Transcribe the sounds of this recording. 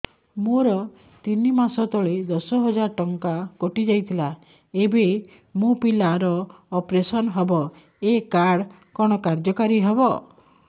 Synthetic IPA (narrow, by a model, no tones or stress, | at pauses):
moɾɔ | t̪inimasɔt̪ɔɭed̪ɔsɔɦɔd͡ʒaɾʈɔŋkakɔʈid͡ʒajt̪ʰila | ebe | mopilaɾɔːpɾesɔnɦɔbɔ | ekaɽ | kɔɽ̃ɔkaɾd͡ʒɔkaɾiɦebɔ